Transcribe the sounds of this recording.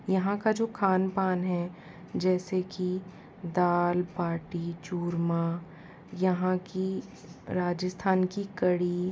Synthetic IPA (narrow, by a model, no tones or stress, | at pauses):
jɐɦãkad͡ʒoːkʰaːnpaːnɦɛ | d͡ʒɛːseki | d̪aːlpaːʈit͡ʃuːɾmaː | jɐɦãki | ɾaːd͡ʒəst̪ʰaːnkikɐɽi